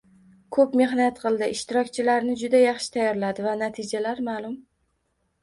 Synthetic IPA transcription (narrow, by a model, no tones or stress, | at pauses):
kʰɵpme̞ɦnat̪qʰɨlˠd̪ɪʔɪʃt̪ɪɾɒk̚ʲt͡ʃʰɪlaɾnɪd͡ʒʊd̪ajɑχʃɪ̥t̪ʰajɒɾlad̪ɪvanat̪ʰɪd͡ʒalaɾmaːlˠʊm